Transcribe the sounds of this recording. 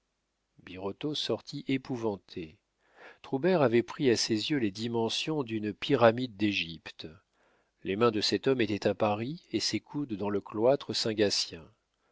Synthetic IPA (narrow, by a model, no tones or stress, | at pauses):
biʁot̪osɔʁt̪ʰiʔepuvɑ̃t̪ʰe | t̪χubɛʁavɛpχiasezjøled̪imɑ̃sjɔ̃d̪ynpiʁamid̪ːeʒipt̪ | lemɛ̃d̪əsɛt̪ɔmet̪ɛt̪apaʁiesekʰud̪ːɑ̃ləklwat̪χəsɛ̃ɡasjɛ̃